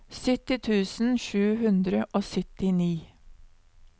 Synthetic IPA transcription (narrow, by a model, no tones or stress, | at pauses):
sʏt̪ɪt̪ʰʉːsn̩ʃʉːhʉnd̪ɾəʔoːsʏt̪ɪniː